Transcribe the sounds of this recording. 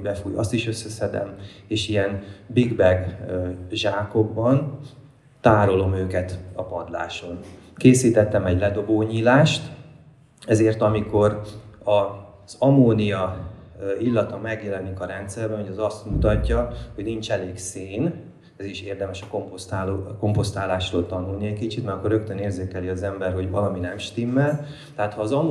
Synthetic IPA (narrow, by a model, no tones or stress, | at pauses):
bɛfujɒ̰st̪iʃø̞sːɛsɛd̪ɛ̰m | eːʃijɛnbiɡbɛɡ | ʒaːko̞ɡ̚bɒn | t̪aːɾo̞lo̞møːkɛt̪ɒpɒd̪la̰ːʃo̞nkeːsiːt̪ɛt̪ːɛmɛɟlɛd̪o̞boːɲiːlaːʃt̪ | ɛzeːrt̪ɒmiko̞rɒ | z̥ɒmoːnijɒ | ilːɒt̪ɒmɛɡjɛlɛnikɒɾɛnt̪sɛrbɛnhoɟɛzɒst̪mut̪ɒcːɒho̞ɟnint͡ʃɛleːɡseːn | ɛziʃeːrd̪ɛmɛʃɒ̥kompost̪aːloko̞mpo̞st̪aːlaːʃroːlt̪ɒnulniɛcʲkit͡ʃit̪mɛɾkːorːøkt̪øneːrzeːkɛliɒzɛmbɛrɦo̞ɟvɒlɒminɛmʃt̪imːɛl | t̪ɛɦaːt̪hɒːzɒ